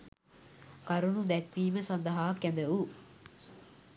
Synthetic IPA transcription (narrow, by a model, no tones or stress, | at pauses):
kɐɾunud̪ɛkʋiːməsɐnd̪ɐɦaːkːɛnd̪ɐu